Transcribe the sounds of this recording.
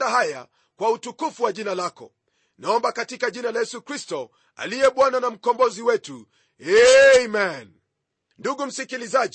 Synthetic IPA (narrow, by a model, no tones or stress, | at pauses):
daɦaja̰ | kwautukufuwaʄinalakɔ̰ | naɔmbakatikaʄinalajɛsukɾistɔ | a̰lijɛɓwananam̩kɔmbɔziwɛtu | ɛmɛn | nduɠum̩sikilizaʄ